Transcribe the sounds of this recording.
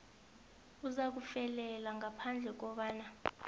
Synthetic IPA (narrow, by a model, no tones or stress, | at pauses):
uzak̬ufɛlɛlaŋapʰand͡ɮʱɛk̬ɔɓaːna